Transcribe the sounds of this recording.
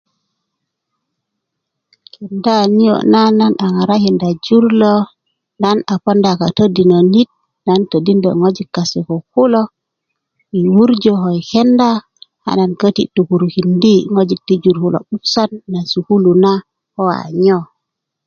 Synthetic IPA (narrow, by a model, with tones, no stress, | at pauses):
ki˨nda˦ni˦jo̰˨na˦na˦na˨ŋa˨ɾa˦hi˨nda˨d͡ʒu˦ɾlo˦ | na˦na˨po˦nda˨ka˨tə˦di˨no˨ni˦t̚ | na˦ntə˨di˦ndɔ̰˨ŋo˦d͡ʒi˨kːa˨se˨ko˨hu˦lo˦ | i˨wu˦ɾd͡ʒo˨ɦo˨jke˦nda˦ | ha̰˨na˨nkə˦tḭ˨tu˨ku˨ɾu˨hi˨ndi˦ŋo˦d͡ʒi˨ti˦d͡ʒu˨ɾhu˦lo̰˨ɓu˦fsa˦nːa˨su˨hu˦lu˨na˦ | ho˦wa̰˨ɲo˦